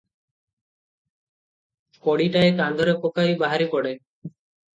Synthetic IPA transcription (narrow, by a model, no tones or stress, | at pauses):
kɔɽiʈaekand̪ʱɔɾekɔkajbaɦaɾipɔɽe